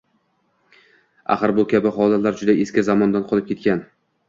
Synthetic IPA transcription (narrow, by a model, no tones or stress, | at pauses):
a̰χɨɾbʊkʲʰabɪχɒlat̪laɾd͡ʒʊd̪aʔeskʲɪzamɒnd̪anqʰɒlˠɪp̚kʲe̞t̪kʲan